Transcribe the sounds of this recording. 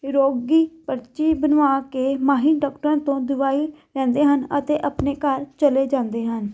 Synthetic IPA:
ɾoːɡiːpəɾt͡ʃiːbənʋaːkeːmaːɦɪnɖɔːkʈəɾãːt̪õːd̪ʊʋaːi | ɾɛ̃ːnd̪eːɦənət̪eːʔəpneːkəɾt͡ʃəleːd͡ʒãːnd̪eːɦən

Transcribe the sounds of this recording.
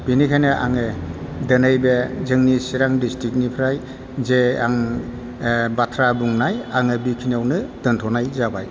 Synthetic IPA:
b̥inikʰajnɯʔa̰ŋɯ | dɯnɯjbezɯŋnisiɾaŋdistɾik̚nipʰɾaj | zea̰ŋ | batʰɾabuŋnajaŋɯbikʰinawnɯdɯntʰɔnajzabaj

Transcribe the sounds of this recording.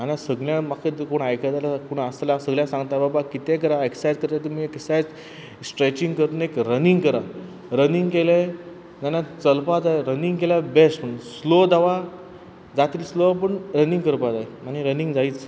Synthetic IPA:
anasəɡljãmakʰekoɳajkʰəd͡z̪alakoɳəslasəɡljãsãŋɡt̪ababakit̪ɛkəɾaeksajd͡zkəɾt̪at̪umieksajd͡z | sʈɾet͡ɕĩŋɡkəɾt̪unekɾəniŋɡkəɾa | ɾəniŋɡkele | nanat͡səlpad͡zajɾəniŋɡkelabespəɳslod̪aʋa | d͡zat̪iːlslop̬əɳɾənĩŋɡkəɾpad͡zaemaniɾəniŋɡd͡zaiːt͡s

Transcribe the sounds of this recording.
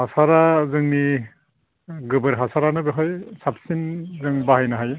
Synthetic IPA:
hasaɾazɯŋni | ɡɯbɯɾɦasaɾanɯbeɦɔjsapsinzɯŋbahajnaɦaj

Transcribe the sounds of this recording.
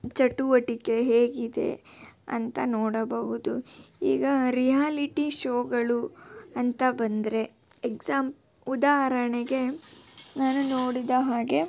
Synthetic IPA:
t͡ʃɐʈːuʋɐʈike̞ɦeːɡid̪e̞̰ɐ̰nt̪ɐnoːɽɐbɐɦud̪uḭːɡɐɾijaːliʈiʃoːɡɐɭuɐnt̪ɐbɐnd̪ɾe̞ | eksaːmp | ud̪aːɦɐɾɐɳeɡe̞ | naːnunoːɽid̪ɐɦaːɡe̞

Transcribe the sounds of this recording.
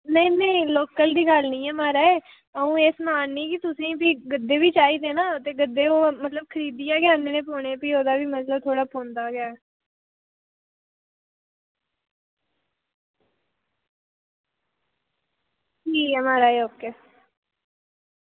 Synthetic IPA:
nə̃ĩːnə̃ĩloːkəld̪iːɡəlnĩːɛːmaːɾaːeː | əũːeːsmaːnːĩːkɪt̪ʊsĩːbiːɡəd̪ːeːbiːt͡ʃaːiːd̪eːnaːt̪eːɡəd̪ːeːoːmət̪ləb̚kʰəɾiːd̪ijaːɡɪaːnenẽːpoːɳeːpiːoːd̪aːbiːmət̪ləb̚t̪ʰoːɽaːpõːnd̪aːɡɪjaː | iːɛmaːɾaːeːoːkeː

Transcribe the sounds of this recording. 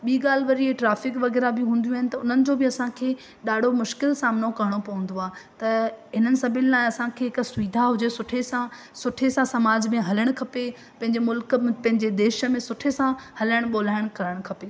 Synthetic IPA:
ɓiːɡaːl̤ɪʋɐɾieʈɾaːfɪkʋɐɣɛːɾabɪɦũːn̆d̪ijũaɦɪnɪ̆t̪ɐʊn̤ənɪ̆d͡ʑoːbɪɐsãkʰeː | ɗaːɖ̤ʱomʊʃkɪlsaːmnokɐɦəɽ̃opɐʋə̃n̆d̪oaːt̪ɐɦɪn̤ənɪ̆sɐbʱɪllaːɪ̃ɐsãkʰeːɦɪksʊʋiːd̪ʱaɦʊd͡ʑesʊʈʰesã | sʊʈʰesãsɐmaːd͡ʑmẽɦɐləɽ̃kʰɐpe | pɐ̃ɦɪ̃ɲd͡ʑemʊlkmpɐ̃ɦɪ̃ɲd͡ʑed̪eːʃə̆mẽsʊʈʰesãhɐləɽ̃ɓoːl̤aːɪɽ̃kɐɾəɽ̃kʰɐpe

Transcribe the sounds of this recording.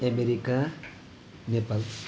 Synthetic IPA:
emeɾika | nepal

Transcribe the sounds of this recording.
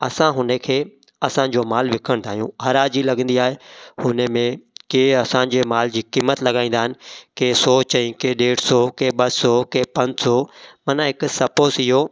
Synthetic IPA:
ɐsãɦʊnəkʰeː | ɐsãd͡ʑoːmaːlʋɪkʰəɽ̃t̪ʰaːɦijũɦɐɾaːd͡ʑilɐɡə̃n̆d̪iaːɦehʊnəmẽkeːɐsãd͡ʑeːmaːld͡ʑiːkiːmət̪lɐɠaːĩːn̆d̪aːɦɪnɪ̆keːsɔːt͡ɕɐ̃ĩkeːɗeːɽsɔkeːɓɐsɔːkeːpɐ̃ɲd͡ʑsɔmɐnãɦɪkʊsɐpoːsɪɦoː

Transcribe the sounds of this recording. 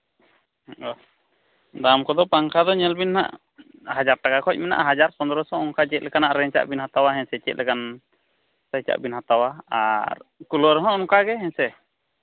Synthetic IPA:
ɔ | d̪amkɔd̪ɔpaŋkʰad̪ɔɲɛlbinna̰ʔ | had͡ʒaɾʈakakʰɔc̚ˀmɛna̰ʔɦad͡ʒaɾsɔnd̪ɾɔsɔ̃ɔŋkat͡ʃɛt̪̚ˀlɛkanaʔɾɛɲt͡ʃa̰ʔbinɦat̪awaɦɛɲsɛt͡ʃɛ̰t̪̚lɛkan | sajt͡ʃa̰ʔbinɦat̪awaaɾkulɔɾɛɦɔ̃ɔŋkaɡɛɦɛɲsɛ

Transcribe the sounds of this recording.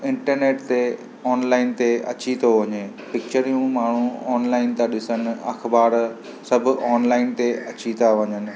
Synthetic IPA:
ɪ̃ɳʈəɾneːʈt̪e | ɔːnlaːɪnt̪eɐ̰t͡ɕit̪ʰoʋɐɲe | pɪk̚t͡ɕəɾijũmaːɳ̤ũɔːnlaːɪnt̪aɗɪsənɪ̆ɐ̰xʰbaːɽ | sɐbʱʊ̆ɔːnlaːɪnt̪eɐt͡ɕit̪ʰaʋɐɲənɪ̆

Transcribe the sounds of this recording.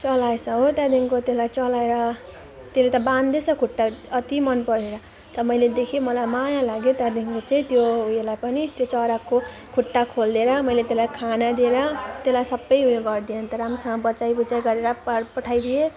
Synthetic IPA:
t͡sʌlaesʰʌ̃ɦot̪jad̪iŋkot̪elajt͡sʌlaeɾʌ | t̪elet̪ʌband̪esʌkʰuʈːaʌt̪imʌnpʌɾeɾʌ | t̪ʌʌmʌjled̪ekʰomʌlajmajalaɡjot̪jad̪iŋkot͡saĩt̪joɦuelajpʌnit̪jot͡sʌɾako | kʰuʈːakʰold̪eɾʌmʌjlet̪elajkʰanad̪ieɾʌt̪elajsʌbːʌjɦujeɡʌrd̪ijʌnt̪ʌɾamsʌʌbʌt͡sajbut͡sajɡʌɾeɾʌpapʌʈʰajd̪ije

